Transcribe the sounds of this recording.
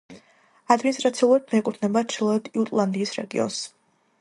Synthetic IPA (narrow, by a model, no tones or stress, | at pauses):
ad̪minist̪ɾat̪sʰialˠuɾad̪mɛɛkʼut̪ʰnɛbat͡ʃʰilˠɔɛd̪iut̪ʼlˠand̪iːsɾɛ̰ɡḭɔ̰ns